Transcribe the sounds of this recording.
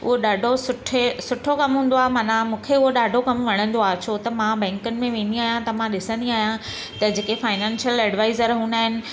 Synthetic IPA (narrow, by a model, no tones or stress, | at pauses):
ʊ̰ɦoɗaːɖʱosʊʈʰesʊʈʰokɐmɦũːn̆d̪oaːɦemaːnãmũːkʰeʊɦoɗaːɖʱokɐmʋɐɽ̃ə̃nd̪oaːɦt͡ɕʰot̪ɐmãbɛ̃ːŋkənɪ̆mẽʋẽːnd̪iaːɦjãt̪ɐmãɗɪsə̃nd̪iaːɦijã | t̪ɐd͡ʑeːkefaːɪnɛ̃ːnsjəlɛɖʋaːɪzəɾɦũːnaːɦɪnɪ̆